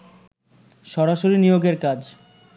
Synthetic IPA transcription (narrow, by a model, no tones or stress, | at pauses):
ʃɔɾaʃoɾinijoɡeɾkad͡ʑ